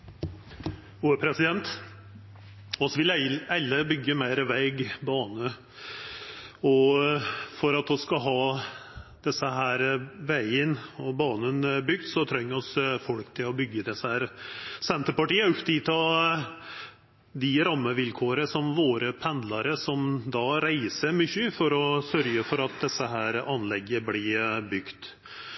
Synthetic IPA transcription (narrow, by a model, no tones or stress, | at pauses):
uːəpʰɾɛsɪd̪ɛnt̪ | ɔsʋɪlælːəbʏɡːəmæɪɾʋɛɪɡbɑːnə | ɔ | fɔɾɑt̪ɔskɑɦɑː | d̪̥ɛsːəɦæːɾʋæɪənɔbɑːnənbʏɡ̚d̪sɔt̪ʰɾɛŋːɔsfɔlkt̪ʰɪlɔbʏɡːəd̪ɛsːəhæːɾsɛnt̪əɾpɑʈiːəʉpt̪ɪt̪ʰɑ | d̪ɪɾɑmːəʋɪlkʰoːɾəsɔmʋoːɾəpʰɛnd̪lɑɾəsɔmd̪ɑɾæɪsəɾmʏçəfɔɾɔsœɾɡəfɔɾɑt̪̚d̪ɛsːəɦæːɾɑnlɛɡːəblɪbʏɡ̥t̪